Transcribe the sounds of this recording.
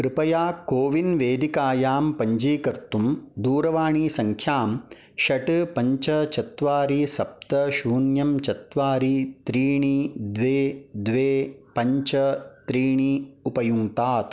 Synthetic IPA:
kɾɨpɐjaːkoːʋinʋeːd̪ikaːjaːmpɐɲd͡ʒiːkɐɾt̪umd̪uːɾɐʋaːɳiːsɐŋkʰjaːm | ʃɐʈɨpɐɲt͡ʃɐt͡ʃɐt̪ʋaːɾisɐp̚t̪ɐʃuːnjɐmt͡ʃɐt̪ʋaːɾit̪ɾiːɳid̪ʋeːd̪ʋeːpɐɲt͡ʃɐt̪ɾiːɳiupɐjuŋt̪aːt̪

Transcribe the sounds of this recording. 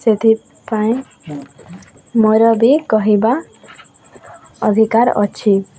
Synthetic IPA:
set̪ʰi | paĩ | mojɾɔbikɔɦiba | ɔd̪ʱikaɾɔ̰t͡ʃʰi

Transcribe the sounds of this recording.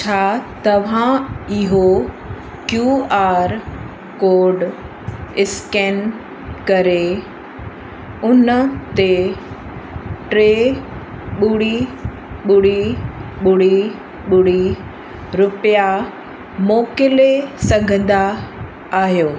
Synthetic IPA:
t͡ɕʰaːt̪ɐʋ̤ãɪɦo | kjuːaːɾ | koːɾɖ | ɪskɛːn | kɐɾe | ʊnət̪e | ʈɾeː | ɓʊɽi | ɓʊɽiɓʊɽi | ɓʊɽi | ɾʊpja | mɔːkɪlesɐ̃ŋɡʱə̃n̆d̪aː | ɦijoː

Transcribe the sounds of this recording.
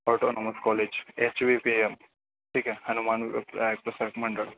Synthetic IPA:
ɔːʈonoməskɔled͡ʒet͡ʃʋipiem | ʈʰiːkehɐnumaːnpek̚pɾɐsaɾkməɳɖəɭ

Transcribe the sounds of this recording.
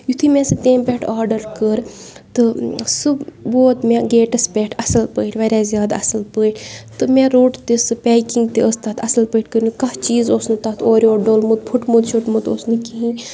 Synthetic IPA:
jut̪ʰimẽsɨt̪eːmpʲeʈʰaːɾɖɐɾkəɾt̪ɨsɨboːt̪mẽɡeːʈɐspʲɛʈʰɐsɐlpəːiʈʰʲʋɐɾʲaːzʲjaːd̪aɐsɐlpəːiʈʰʲt̪ɨmẽɾoːʈt̪esɨpʲɛːkiŋɡt̪eəst̪at̪ʰɐsɐlpəːʈʰʲkəɾnukɐht͡ʃiːzoːsnɨt̪aːt̪ʰoːɾʲoːɖoːlmud̪̚pʰuʈmud̪t͡ʃʰuʈmut̪oːsnɨkiɦĩ

